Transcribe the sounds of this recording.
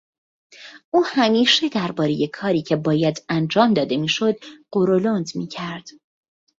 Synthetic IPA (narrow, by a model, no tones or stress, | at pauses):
ʔuːhæmiːʃe̞d̪æɾbɒːɾe̞je̞kʰɒːɾiːcʰe̞bɒːjæd̪ænd͡ʒɒːmd̪ɒːd̪e̞miːʃo̞d̪ɢ̥oɾolond̪miːcʰæɾd̪̥